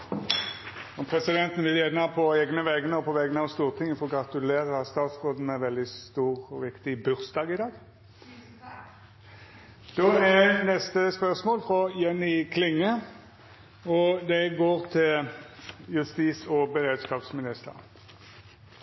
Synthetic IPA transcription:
ɔpʰʁɛsɪd̪ɛnt̪n̩ʋɪljeːd̪nɑpʰɔeːɡnəʋɛɡnəɔpʰɔʋɛɡənəɑʋst̪uːʁt̪ʰɪŋːəfɔɾɔɡʁɑt̪ʉleːʁəst̪ɑːt̪sʁoːd̪n̩ɛʁʋɛld̪ɪst̪uːʁɔʋɪkt̪ɪbʉʁsd̪ɑːɡɪd̪ɑːɡ | d̪̥oːɛnɛst̪əspœʁsmoːlfʁɔjɛnːɪkʰlɪŋːə | ɔd̪ɛɡoːʁt̪ʰɪl | jʉst̪iːsɔbɛʁeːd̪skɑːpsmɪnɪst̪ə̰ʁ

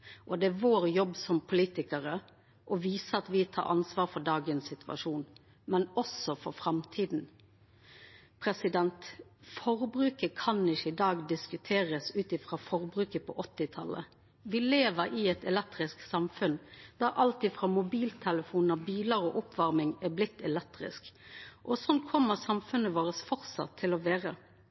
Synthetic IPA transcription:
ʔɔd̪ɛæʋoːɾjɔbːsɔmpʰʊliːt̪ɪkəɾə | ʔɔʋiːsəɑt̪ʋɪt̪ʰɑ̰ːɾʔɑ̰nsʋɑːɾfɔɖ̪ɑːɡənsɪt̪ʉɑ̰ʂuːn | mɛnɔsɔfɔɾfɾɑmt̪ʰiːd̪n̩ | pʰɾɛsɪd̪ɛnt̪fɔɾbɾʉːkəkʰɑnɪçəɪd̪ɑːɡd̪ɪskʉt̪ʰeːʁəsʉːt̪ɪfʁɑːfɔʁbɾʉːkəpʰɔ̰ʔɔt̪ːɪt̪ʰɑlə̰ | ʋɪleːʋəɾɪɛt̪ɛlɛk̚t̪ɾɪsksɑmfʉnd̪̥æɾʔɑlt̪iːfʁɑːmʊbiːlt̪ʰɛləfuːnɑbiːləɾɔʔʊpʰʋɑʁmɪŋɛblɪt̪ʰːɛlɛk̚t̪ʁɪ̰skʔɔsɔnkʰɔmːəʁsɑmfʉnəʋoːɾəsfɔɾsɑ̰t̪ʰːɪlɔʋeːɾə

